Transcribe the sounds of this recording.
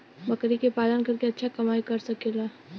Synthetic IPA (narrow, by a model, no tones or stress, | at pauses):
bɐkɾikepaːlənkɐɾkeɐtːʃʰakɐmaːikɐɾsɐkeːla